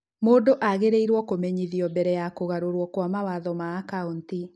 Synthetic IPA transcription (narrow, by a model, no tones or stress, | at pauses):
moːdoʔaɣeɾeiɾwɔkomɛɲiðijɔbɛɾɛjakoɣaɾoɾwɔkwamawaðɔmaːkaunti